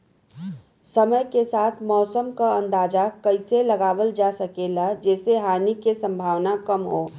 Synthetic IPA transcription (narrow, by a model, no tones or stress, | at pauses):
səməjkesaːt̪ʰmɔːsəmkəə̃nd̪aːd͡ʒakəɪseləɡaːʋəld͡ʒasəkelad͡ʒɛːseɦaːnikesə̃mbʱaːʋnakəmɦoː